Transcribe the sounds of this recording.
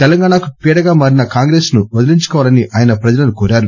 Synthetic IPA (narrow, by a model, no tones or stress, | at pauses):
t̪ɛlɐŋɡaːɳakupiːɽɐɡaːmaːɾinɐkaːŋɡɾe̞ːsnubɐd̪iliɲt͡ʃu̥kɔːʋaːlɐniʔaːjɐnɐpɾɐd͡ʒɐlɐnukoːɾaːɾu